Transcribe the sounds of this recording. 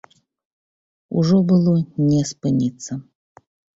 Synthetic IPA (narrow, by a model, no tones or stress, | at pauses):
ṵʐɔbɨlˠɔnʲɛspɨnʲit̪sːə